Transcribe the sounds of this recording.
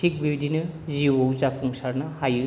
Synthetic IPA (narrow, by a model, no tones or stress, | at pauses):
ik̚bibidinɯziowzapʰuŋsaɾnɐhajɯ